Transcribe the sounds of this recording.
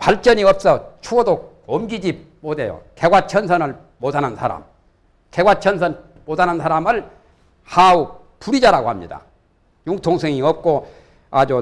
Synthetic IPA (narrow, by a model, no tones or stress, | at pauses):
paɭt͡ɕ͈ʌɲiʌp̚s͈ʌt͡ɕʰuʌdo | omɡid͡ʑi | modejo̰keɡwat͡ɕʰʌnsʰʌnɯɭ | modanansʰaɾa̰m | keɡwat͡ɕʰʌnsʰʌn | modanansʰaɾamɯɭ | hau | puɾid͡ʑaɾaɡohamɲḭda̰ | juŋtʰoŋsʰeŋiʌp̚k͈o | ad͡ʑo